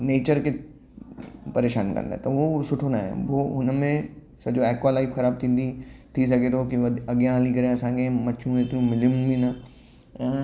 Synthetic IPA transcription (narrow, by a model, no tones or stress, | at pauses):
neːt͡ɕəɾke | pɐɾeːʃaːnkɐ̰̃nd̪a̰ːɦt̪ɐosʊʈʰonaːɦḛ̃ʋoɦʊnmẽ | sɐbd͡ʑoɛːkwaːlaːifxɐɾaːb̚t̪ʰĩːnd̪it̪ʰis̬ɐɡʱet̪ʰokiʋɐɐɠjãɦlĩkɐɾeɐsãkʰemɐt͡ɕʰũet̪ɾũmɪliũbʱinə | ɛ̃ː